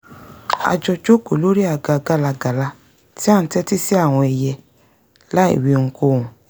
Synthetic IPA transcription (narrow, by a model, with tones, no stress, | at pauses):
a̰˧d͡ʒɔ˧d͡ʒo˦ko˨lo˦ɾi˦a˧˨ɡa˧ɡa˧˦la˧ɡa˨la˧ | ti˦a˦˨ñ̩˦tɛ˦ti˦si˦a˦˨w̃ɔ̃˧ɛ˧jɛ˧ | la˦ḭ˦˨wi˧ŋ̩˧ko˧˦˨ũ˨